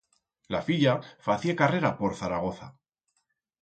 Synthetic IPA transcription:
la̰fiʎafaθiekare̞ɾapo̞ɾθaɾaɣ̞o̞θa̰

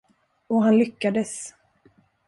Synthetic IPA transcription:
ɔɦanlʏkːad̪əs

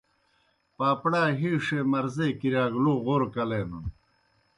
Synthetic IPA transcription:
paːpɽaːɦiʂemɐɾzekiɾaːɡluɣoːɾkɐleːnun

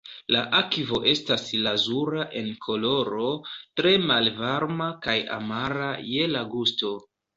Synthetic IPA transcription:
laʔakivo̞ʔe̞staslazuɾaʔe̞nkʰo̞lo̞ɾo̞tɾe̞malvaɾmakaja̰maɾaje̞laɡusto̞

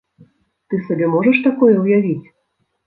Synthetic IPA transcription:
t̪ɨsabʲɛmɔʐɐʂt̪akɔjɛwjavʲit͡sʲ

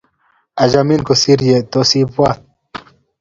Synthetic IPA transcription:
ɐd͡ʑɐminkosiɾjet̪osiːpat̪̚

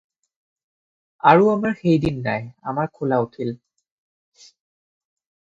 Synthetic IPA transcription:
aɹuamaɹxejdinːa̰ja̰maɹkʰʊlautʰil

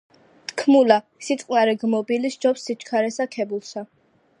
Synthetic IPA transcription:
t̪ʰkʰmula | sit̪sʼqʼnaɾɛɡmɔbilisd͡ʒɔpsːit͡ʃʰkʰaɾɛsakʰɛbulˠsa

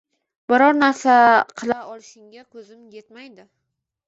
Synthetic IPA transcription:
b̥ɪɾɒɾnaɾsaqʰɨlˠaɒlˠɪʃɪŋɡʲakʰɵzɪmje̞t̪majd̪ɪ

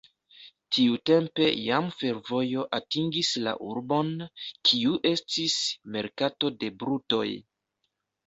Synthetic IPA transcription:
tʰiute̞mpe̞jamfe̞ɾvo̞jo̞ʔatiŋɡisla̰ʔuɾbo̞nkʰiuʔe̞stisme̞ɾkato̞de̞bɾuto̞̰j

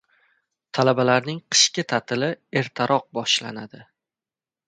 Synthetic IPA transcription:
t̪ʰalabalaɾnɪŋqʰɨ̥ʃkʲɪt̪ʰat̪ʰɪlɪe̞ɾt̪ʰaɾʔɒq̚bɒʃla̰nad̪ɪ

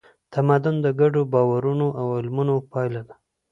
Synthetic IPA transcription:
t̪ʰamad̪ʊnd̪əɡaɖobɑwaɾunoʔawɪlmunopɑjlad̪ḁ

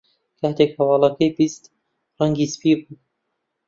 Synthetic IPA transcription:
kʰaht̪ekhɐwɑːlˠɐkʰɐjbist̪ | raŋɡiːspibuː

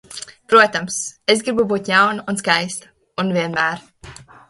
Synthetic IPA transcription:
pɾuɔt̪amses̬ɡɾibubuːt̪jawnuns̬kajst̪ | unvʲiɛnmæːɾ

